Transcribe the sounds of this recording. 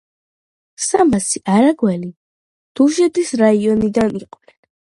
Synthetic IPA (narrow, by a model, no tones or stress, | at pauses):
samasiʔaɾaɡwɛli | d̪̥uʒɛt̪ʼisɾaiɔnid̪aniqʼwnɛn